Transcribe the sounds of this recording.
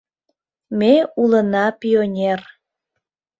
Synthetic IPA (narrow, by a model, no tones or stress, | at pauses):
meulənɑpionʲer